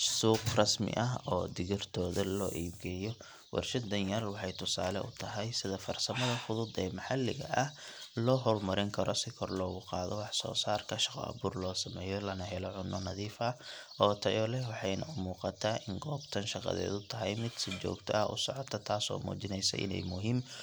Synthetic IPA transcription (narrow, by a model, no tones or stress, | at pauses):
suːqrɑsmɪ̰ʔɐɦɔːd̪ɪɣɪrt̪ʰɔːðɐlɔːʔiːbɡɛːjɔ | wʔɑ̰rʃɐd̪ɐnjɐrwɑħɑjt̪ʰʊsaːlɛʔʊt̪ʰɐɦɛjsɪðɐfɐrsɐmɐðɐfʊðʊd̪ɛːmɐħɑlɪɣɐ̰ʔɐhlɔːɦɔlmɐɾɪŋkʰɐɾɔsɪkʰɔrlɔːɣʊqɑːðɔwɑħsɔ̰ːsaːrkʰɐʃɑ̥qɔ̰ɐ̰βuːrlɔːsɐmɛːjɔlɐnɐɦɛlɔʕʊnːɔnɐðiːfɐʔɔːt̪ʰɐjɔlɛwɑħɑjnɐʊmuːqɑt̪ʰaːʔɪŋɡɔːbt̪ʰɐnʃɑqɑ̰ðɛ̰ːd̪ʊt̪ʰɐɦɛjmɪd̪sɪt͡ʃɔ̰ːɡt̪ʰɐɐʔʊ̰sɔʕɔt̪ʰɐt̪ʰaːsɔ̰ːmṵːt͡ʃɪnɛjsɐ̰ʔɪ̰nɛ̰jmʊɦiːm